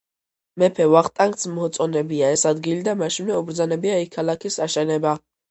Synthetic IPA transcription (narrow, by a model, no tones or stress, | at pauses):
mɛpʰɛvaχt̪ʼaŋɡ̪smɔt̪sʼɔnɛbiaɛsad̪ɡilid̪amaʃinvɛubɾd̪zanɛbiaikʰːalˠakʰisaʃɛnɛba